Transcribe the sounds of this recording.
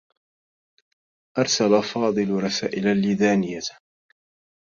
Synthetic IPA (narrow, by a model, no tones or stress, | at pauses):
ʔɑɾˤsalafɑːd̪ˤɨlɾˤɑsa̰ːʔɪlalːiðaːnɪjːa